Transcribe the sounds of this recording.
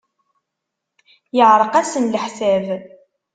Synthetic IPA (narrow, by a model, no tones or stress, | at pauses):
jəʕɾˤəqæsənləħsæv